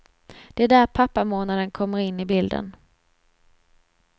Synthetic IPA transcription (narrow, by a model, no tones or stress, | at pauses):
d̪̥ɛæɖæɾpʰapːamoːnad̪ənkʰɔmːəɾɪnːɪbɪld̪ə̰n